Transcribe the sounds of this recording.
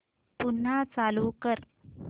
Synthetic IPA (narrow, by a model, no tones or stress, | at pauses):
pun̤ːat͡salukəɾ